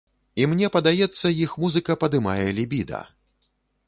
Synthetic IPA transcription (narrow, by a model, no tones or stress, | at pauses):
imnʲɛpɐd̪ajɛt̪sːɐjixmuzɨkɐpɐd̪ɨma̰jɛlʲibʲid̪ɐ̰